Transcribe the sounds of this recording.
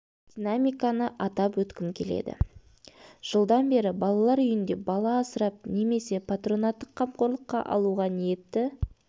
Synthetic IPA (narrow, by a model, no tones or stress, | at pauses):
d̪̥ʲinamʲijkanəʔɑt̪ɑpwɵt̪kʲɪmkʲʰe̞̰le̞̰d̪ɪ̰ | ʒ̥əlˠd̪ɑnbe̞ɾɪbɑlˠɑlˠɑɾʏjɪnd̪e̞bɑlˠɑːsəɾɑp̚ne̞me̞se̞pʰat̪ro̞nat̪ːəqʰːɑmqo̞ɾlˠəqːɑ̰ʔɑ̰lˠuʁɑnije̞t̪ːɪ